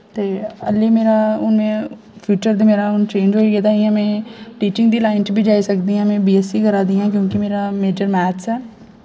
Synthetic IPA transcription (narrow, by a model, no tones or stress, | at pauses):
t̪eːəlːeːmeːɾaːʊnmẽː | pʰjuːt͡ʃəɾd̪eːmeːɾaːʊnt͡ʃẽːnd͡ʒɦoːiːkeːd̪aːɦiãːmɛ̃ːʈiːt͡ʃɪ̃ŋɡd̪iːlaːɪnʈbʱiːd͡ʒaːisəkd̪iːãːmɛ̃ːbiːɛːsiːkəɾaːd̪iːãːk̬jõːkimeːɾaːmeːd͡ʒəɾmɛːt̪sɛː